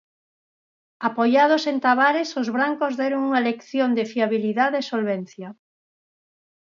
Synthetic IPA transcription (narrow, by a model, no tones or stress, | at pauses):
apojað̞osent̪aβaɾesozβɾaŋkozðɛɾoŋuŋalekθjond̪ɪfiaβiliðaðesolβɛnθja